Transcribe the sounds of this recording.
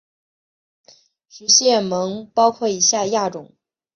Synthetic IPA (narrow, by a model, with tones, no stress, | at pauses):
ʂɻ̩˧˥ɕjɛ˥˩mɤ˧˥ŋpɑ˥ʊkʰwɔ˥˩i˧˥ɕja˥˧ja˥˩ʈ͡ʂʊ˨˩˦ŋ